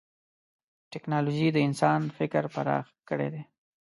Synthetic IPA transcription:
ʈɛknɑloʒid̪əɪnsɑnfɪkəɾpaɾɑ̰xkəɽḛd̪e

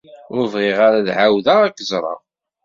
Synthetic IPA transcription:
ʊɾvʁeʁaɾaðʕawðæækːzˤɾˤɑ̰

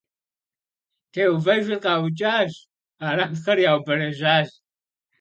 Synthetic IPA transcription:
tʰeːwvɐʒʷɪrqʼɑːwt͡ʃʼaːʒ | aːɾɐmxɐɾjaːwbɐɾɐʒaːʒ

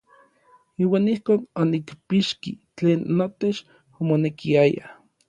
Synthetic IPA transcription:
iːwaːnihkoːnonikpiʃkit͡ɬeːnːot̪et͡ʃ | omonekiaja̰

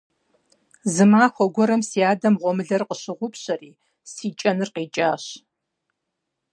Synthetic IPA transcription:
zɨmaːxʷɔɡʷɔɾɐmsiaːdɐmʁʷɔmɨɮɐrqəɕɪʁʷʊpɕʼɐriː | siːt͡ʃʼɐnɨrqiːt͡ʃʼaːɕ

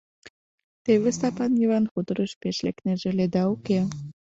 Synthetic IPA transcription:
t̪eβest̪ɑpɑnjiβɑnxud̪ɤɾəʃpeʃlḛkneʒeled̪ɑuke

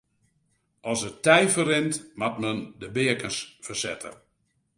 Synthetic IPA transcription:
ɔsətːɛjfərɪntmatməndəbɪəkənsfərsɛ̰tʰə̰

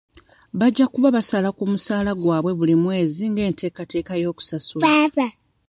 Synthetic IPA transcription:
βaɟːakuβaβasalakumusaːlaɡwaːβwe̞βulimwe̞ːziŋɡe̞ːnte̞ːkate̞ːkajo̞ːku̥sasuaβa

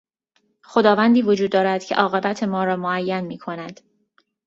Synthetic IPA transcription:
xo̞d̪ɒːvænd̪iːvo̞d͡ʒuːd̪ːɒːɾæd̪̥cʰeʔɒːɣe̞bæt̪ʰe̞mɒːɾɒːmoæjːænmiːkʰo̞næd̪̥

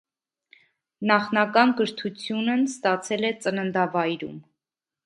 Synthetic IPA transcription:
nɑχnɑkɑnɡəɾt̪ʰut͡sʰjunənst̪ɑt͡sʰɛlɛt͡sənənd̪ɑvɑjɾṵm

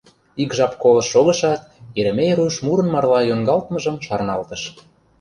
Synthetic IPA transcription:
ikʒɑpkolɤ̆ʃːoɣɤ̆ʃɑt̪eɾɘ̆mejɾujʃmuɾə̆nmɑrlɑjoŋɡɑlt̪mə̆ʒə̆mʃɑrnɑlt̪ə̆ʃ

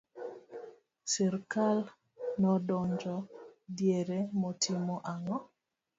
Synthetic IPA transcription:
sɛrkal | nɔdɔɲd͡ʒɔdjeɾemɔtʰimoʔaŋɔ

